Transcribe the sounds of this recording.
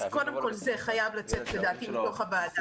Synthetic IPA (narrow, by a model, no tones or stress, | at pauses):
zko̞de̞mko̞lze̞χajavlat͡setle̞daːtimito̞χabaːda